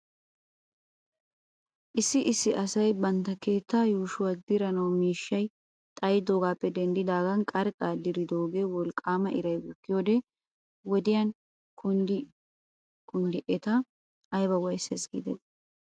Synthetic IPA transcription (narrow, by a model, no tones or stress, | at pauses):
ʔɪsːɪʔɪsːɪʔɐsɐjbɐnt̪ːɐke̞ːt̪ːaːjuːʃʊwɐd̪ɪɾɐnɐwmiːʃːɐj | t̪ʼɐjd̪oːɡaːpːɛd̪ɛnd̪ɪd̪aːɡɐnkʼɐɾkʼaːd̪ɪɾɪd̪o̞ːɡe̞ːwɔlkʼːaːmɐʔɪɾɐjɡʊkːɪjoːd̪ɛ | wɔd̪ɪjɐn | kʊn | kʊnd̪ɪʔɛt̪ɐ | ɐjbɐwɐjsɛsɡ̥ḭd̪ɛ̰s